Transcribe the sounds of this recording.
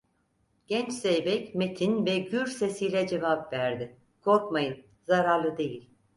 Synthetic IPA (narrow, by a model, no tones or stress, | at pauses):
ɟ̥ɛnt͡ʃsejbɛcmet̪ʰinvɛɟyɾse̞sijlʲɛd͡ʒe̞vapvæɾd̪ɪ | kʰo̞ɾkmajɯn | zaɾaɾlˠɯd̪e̞jilʲ